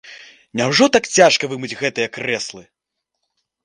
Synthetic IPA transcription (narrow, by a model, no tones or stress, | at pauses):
nʲawʐɔt̪akt͡sʲaʂkɐvɨmɨd͡zʲɣɛt̪ɨjɐkrɛslˠɨ